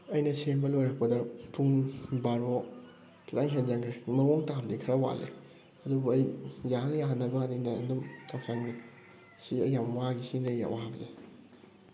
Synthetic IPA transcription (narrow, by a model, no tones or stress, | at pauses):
ɐjnɐsembɐlojɾɐk̚pɐdɐpuŋbaɾo | kʰitaŋɦenzɐŋɡɾemɐwoŋtamdikʰɐɾawa̰lːḛ | ɐdubɐɐjjahɐnɐjaɦɐnːɐbɐːdinɐndumtʰawsaŋɾe | siɐjːamwaɡisiŋdɐja̰wʔaabɐze